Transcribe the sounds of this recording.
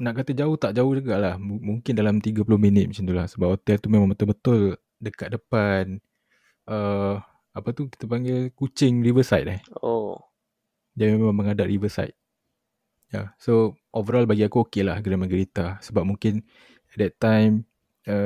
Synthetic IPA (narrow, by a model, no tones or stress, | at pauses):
naʔkat̪əd͡ʒaʊht̪aʔd͡ʒaʊhd͡ʒəɡaʔlahmuŋkɪndalamt̪iɡapulʊhminɪt̪̚mãt͡ʃant̪ulahsəbap̚hot̪ɛlt̪umẽmãŋbət̪əlbət̪ʊl | dəkat̪̚dəpan | ʔə | apət̪uki̥t̪əp̬aŋɡɪlkut͡ʃɪŋrivəsa̰jt̪̚aho | d͡ʒaimemmãŋməŋadaʔrivəsa̰jt̪̚ | jaso | ʔovəɾɔlbaɡiakuokelahkənəmə̃ɡəɾit̪asəbap̚muŋkɪn | ɛt̪̚dɛt̪ːajm | ə